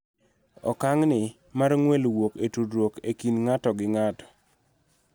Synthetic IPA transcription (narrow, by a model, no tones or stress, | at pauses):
ɔ̰kaŋnɪ | marŋwelwoketudwokekinŋatɔɡɪŋatɔ̥